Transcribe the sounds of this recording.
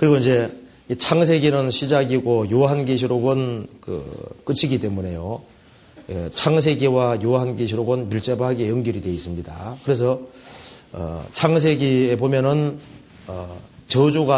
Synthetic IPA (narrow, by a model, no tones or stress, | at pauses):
kɯɾiɡoind͡ʑe̞ | it͡ɕʰaŋs̬ʰe̞ɡinɯnɕʰid͡ʑaɡiɡojoaɦanɡeɕʰiɾoɡɯnkɯ̰k͈ɯt͡ɕʰiɡit͈e̞mune̞jo | ḛt͡ɕʰaŋs̬ʰe̞ɡewajoaɦanɡeɕ̬ʰiɾoɡɯnmjuɭt͡ɕ͈ebɦaɡiejʌŋɡjiɾidwe̞is͈ɯmɲida̰kɯɾe̞s̬ʰʌ | ʌ̰t͡ɕʰaŋsʰe̞ɡiebomjʌnɯn | ʌt͡ɕʌd͡ʑuɡa